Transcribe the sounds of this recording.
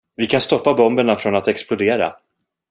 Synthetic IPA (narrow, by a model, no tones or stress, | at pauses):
vɪkʰanst̪ɔpːabɔmbəɳafɾɔnat̪ɛksplʊd̪eːɾa̰